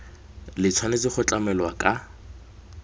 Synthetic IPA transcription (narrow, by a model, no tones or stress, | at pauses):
lɪt͡sʰwanet͡sɪχʊt͡ɬʼamɛlwakʼa